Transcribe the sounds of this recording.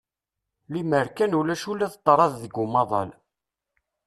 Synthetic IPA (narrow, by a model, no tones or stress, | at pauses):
liməɾkænulæʃulːæðt̪ˤːɾˤɑððəɡumɑðˤɑ̰l